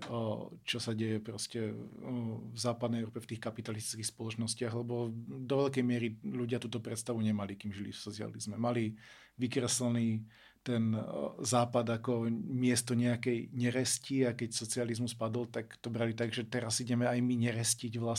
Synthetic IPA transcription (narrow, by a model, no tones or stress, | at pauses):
t͡ʃɔsaɟɛjɛpɾɔscɛ | vzaːpad̪nɛjɛʊɾɔpɛft̪iːxkapit̪alist̪i̥t͡skixspɔlɔt͡ʃnɔscɪaɣlɛbɔd̪ɔʋɛʎkɛjmɪɛɾiʎuɟɪat̪uːt̪ɔpɾɛt̪st̪aʋuɲɛmalikiːmʒilḭfsɔt͡sia̰lizmɛmali | ʋikɾɛsl̩ni | t̪ɛnzaːpad̪akɔmɪɛst̪ɔɲɛakɛjɲɛɾɛsciakɛcsɔt͡sializmuspad̪ɔlt̪akt̪ɔbɾalit̪aɡʒɛt̪ɛɾasiɟɛmɛajmiɲɛɾɛsciɟʋla